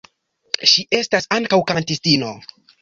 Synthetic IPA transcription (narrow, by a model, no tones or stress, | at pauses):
ʃiʔe̞stasaŋkawkantistino̞̰